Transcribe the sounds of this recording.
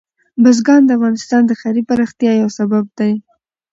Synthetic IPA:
bazɡɑnd̪əafɣɑnɪst̪ɑnd̪əxajɾipaɾɑxt̪jɑjawsabab̚d̪aj

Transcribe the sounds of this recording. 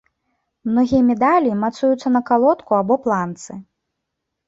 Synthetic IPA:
mnɔɣʲijɐmʲɛd̪alʲimat̪sujut̪sːɐnɐkalˠɔt̪kuabɔplˠant̪sɨ

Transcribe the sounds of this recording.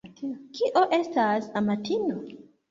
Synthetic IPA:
kʰiʔoʔe̞stasamatʰino

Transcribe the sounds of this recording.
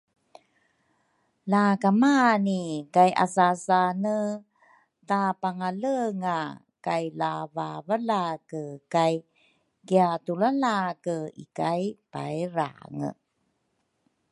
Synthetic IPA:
lakamanikajʔa̰sasanə | tapaŋaləŋa | kajlavavəlakəkaj | kiatulalakəḭkajpa̰jɾa̰ŋə̰

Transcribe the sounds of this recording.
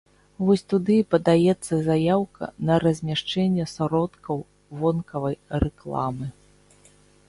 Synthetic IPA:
vɔsʲt̪ud̪ɨpɐd̪ajɛt̪sːɐzajawkɐ̰nɐɾɐzʲmʲaʂt͡ʂɛnʲːɛsaɾɔt̪kɐw | vɔnkɐvɐjrɛklˠa̰mɨ

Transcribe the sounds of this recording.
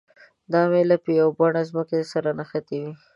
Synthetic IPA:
d̪ɑmelapəjawbaɳazməkesaɾanaxat̪ewi

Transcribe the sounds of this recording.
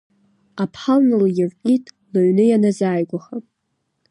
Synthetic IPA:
apʰħalnɨljɪrqʲʼitʼ | laɥnɨjanazaːjɡʷaχa

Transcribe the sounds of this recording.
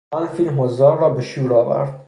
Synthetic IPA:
ɒːnfiːlmɦozd̪ɒːɾːɒːbeʃuːɾɒːvæ̰ɾd̪̥

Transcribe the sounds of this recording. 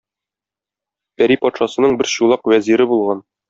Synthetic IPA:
pæɾipɒt̪ʃɑsɤ̆nɤɴbɘɾɕulˠɑqwæziɾɘbulˠʁɑn

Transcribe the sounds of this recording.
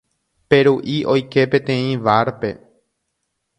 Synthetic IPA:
pe̞ɾuʔiʔo̞jke̞pẽ̞t̪ẽ̞ĩʋaɾpe̞̰

